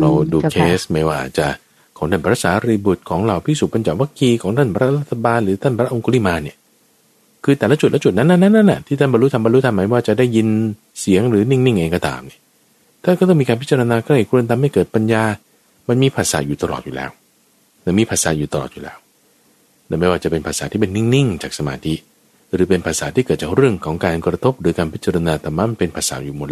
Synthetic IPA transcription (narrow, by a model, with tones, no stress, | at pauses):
la˧wduː˧kʰeː˦˥sma˥˩jwaː˧˩˨t͡ɕa˨˩ | kʰɔː˨˦ŋt̪ʰa˥˩pʰɾaː˧˦˥saː˩˦ɾi˧bu˨˩t̪̚kʰɔː˩˦ŋɾa˧˩wpʰiː˥˩su˨˩pa˧nt͡ɕa˨˩wa˦˥kiː˧kʰɔː˩˦ŋt̪ʰa˥˩npʰɾa˦˥ɾa˦˥t̪ʰːa˧baː˧nɾɯː˨˩˦t̪ʰa˥˩npʰɾa˦˥ʔo˧ku˧li˥˩maː˧ni˥˩ | kʰɯː˧t̪ɛː˨˩la˦˥t͡ɕu˨˩t̪̚lɛ˥t͡ɕu˨t̪̚na˦˥nːa˧˥nːa˦˥na˦˥nːʔa̰˨˩t̪ʰiː˥˩a˥˩nba˧nlɾu˦˥t̪ʰa˧mba˧nɾu˦˥t̪ʰa˧ma˨˦˥jwaː˥˩t͡ɕa˨˩daː˥˩jːi˧n | si˩˦əŋɾɯː˨˦ni˥˩ŋni˥˩ŋʔeː˧kɔː˥˩t̪a̰ː˨˩mni˧˩ɐ | t̪ʰaː˥˩kɔː˥˩t̪ɔ˥˩ŋmiː˧kaː˧npi˦˥t͡ɕa˧ɾa˧naː˧kʰɔ˥˩˧kʰu˧ə˧nt̪ʰa˧mːa˥˩jkɤː˨˩t̪̚pa˧njaː˧ | ma˧nmiː˧pʰaː˨˩sa̰ː˨˦juː˨˩a˧lɔ̰˨t̪̚juː˨lɛ̰ː˦˥w | na˧˥˩miː˧pʰaː˧˩sa̰ː˨˦juː˨˩t̪a˧lɔ̰˨˩t̪̚juː˨lɛː˦˥w | na˧˥˩ma˥˩jwaː˥˩t͡ɕa˨˩pe˧npʰaː˧˩saː˩˦t̪ʰiː˥˩pe˧nːi˥˩ŋni˥˩ŋt͡ɕaː˨˩k̚sa˧ma̰ː˧t̪ʰi˦˥ | ɾɯː˩˦pe˧npʰaː˧˩saː˩˦t̪iː˥˩kɤː˨˩t̪̚t͡ɕaː˨˩k̚ɾɯ˥˩əŋkʰɔː˩˦ŋkaː˧nkɾa˧t̪ʰo˦˥p̚ɾɯː˩˦kaː˧npʰi˦˥t̪̚t͡ɕa˧ɾa˧naː˧t̪ʰaː˨˩ma˦˥˨ma˧npe˧npʰaː˧˩sa̰ː˨˦juː˨˩mo˨˩